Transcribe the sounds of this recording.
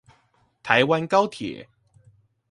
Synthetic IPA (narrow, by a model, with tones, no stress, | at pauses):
t̪ʰa˨˦ɪwa˦nkɑ˦˥ʊt̪ʰjɛ̰˨˩˦